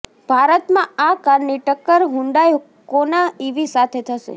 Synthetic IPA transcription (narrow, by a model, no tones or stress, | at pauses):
b̥ʱaɾət̪mãakaɾniʈəkːəɾɦũɳɖaj | konaiʋisat̪ʰet̪ʰəʃḛ